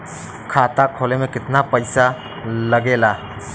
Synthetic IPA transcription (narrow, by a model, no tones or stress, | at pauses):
kʰaːt̪akʰoːlemẽkɪt̪napəɪsa | ləɡeːlaː